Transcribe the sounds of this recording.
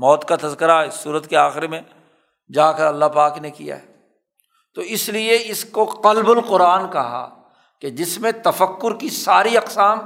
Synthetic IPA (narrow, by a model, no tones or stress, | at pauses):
mɔːt̪kat̪ɐzkəɾaɪsːuːɾət̪keaːxɪɾemẽ | d͡ʒaːkɐɾɐlːapaːknekḭja̰ɦɛː | t̪oɪslieɪskoqɐlbʊlqʊɾaːnkɐɦa̰ː | ked͡ʒɪsmẽt̪ɐfəkːʊɾkisaːɾiɐqsaːm